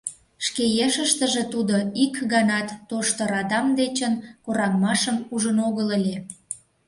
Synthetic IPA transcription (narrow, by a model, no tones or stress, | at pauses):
ʃkejeʃəʃt̪əʒe̽t̪ud̪oikɣɑnɑt̪ːoʃt̪ŏɾɑd̪ɑmd̪et͡ɕənkoɾɑŋmɑʃəmuʒənoɣəlelʲe